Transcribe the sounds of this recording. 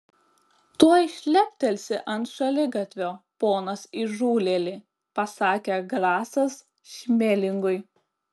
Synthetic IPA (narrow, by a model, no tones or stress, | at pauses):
t̪uɔɪʃʲlʲɛpʲt̪ʲɛlʲsʲɪʔɐnt̪ʃɐlʲɪɡɐt̪ʲʋʲoːpoːnɐsɪʒuːlʲeːlʲiː | pɐsɑːkʲeɡlɑːsɐs | ʃʲmʲeːlʲɪŋɡʊɪ